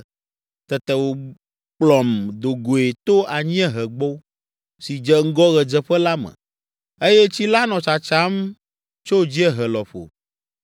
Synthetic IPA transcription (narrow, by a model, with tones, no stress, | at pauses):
t̪ɛ˨t̪ɛ˨wo˨ | k͡plɔ˨md̪o˨ɡo˨e˨t̪o˦a˨ɲĩ˦ɛ˦ɦɛ˨ɡ͡bɔ˦ | si˨d͡ʒɛ˨ŋ̩˦ɡɔ˦ɣɛ˨d͡ʒɛ˨ɸɛ˦la˦mɛ̰̃˨ | e˦jɛ˦t͡ɕi˦la˦nɔ̃˨t͡ʃa˨t͡ʃa˦m | t͡ʃo˦˨d͡ʑi˦ɛ˦ɦɛ˨lɔ˨ɸo̰˨